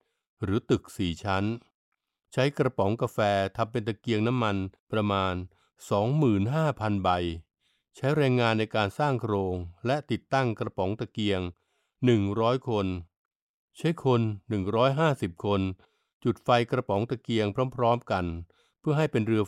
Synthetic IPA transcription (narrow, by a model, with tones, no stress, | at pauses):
ɾɯː˩˦t̪ɯ˨˩k̚siː˩˦t͡ɕʰa˦˥n | t͡ɕʰa˦˥jkɾa˧pɔ˩˦ŋka˧fɛː˧t̪ʰa˧mpe˧nt̪a˧ki˧əŋna˦˥mːa˧npɾa˧maː˧n | sɔː˩˦ŋmɯː˨˩nɦaː˥˩pʰa˧nba˧j | t͡ɕʰa˦˥jɾɛː˧ŋaː˧nːa˧jkaː˧nsaː˥˩ŋkʰɾoː˧ŋlɛ˦˥ʔt̪i˨˩t̪ːa˥˩ŋkɾa˧pɔː˩˦ŋt̪a˧ki˧əŋ | nɯ˨˩ŋɾɔː˦˥jkʰo˧n | t͡ɕʰa˦˥jkʰo˧nːɯ˨˩ŋɾɔː˦˥jɦaː˥˩si˨˩p̚kʰo˧n | t͡ɕu˨˩t̪̚fa˧jkɾa˧pɔ˩˦ŋt̪a˧ki˧əŋpʰɾɔː˦˥mpʰɾɔː˦˥mka˧n | pʰɯ˥˩ɐɦa˥˩jpe˧nɾɯ˧ə